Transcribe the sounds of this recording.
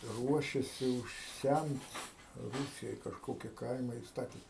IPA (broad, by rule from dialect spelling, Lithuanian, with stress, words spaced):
ˈruɔʃʲɛsʲɪ ʊʃʲˈsʲæmt ˈruːsʲɪjoːj kɐʃˈkoːkʲɪ ˈkɐɪmɐ ɪ ˈstɑːtʲɪ